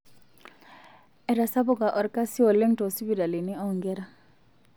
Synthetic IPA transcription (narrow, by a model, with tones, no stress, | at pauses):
ɛ˨ɾa˨sa˦bʊ˦˨ka˨ʔɔ˨ɾka˦si˦ɔ˨le˦ŋtɔ˨si˦bi˦˨ɾa˨li˨ni˦ɔ˦˨ŋɡɛ˦ɾa˦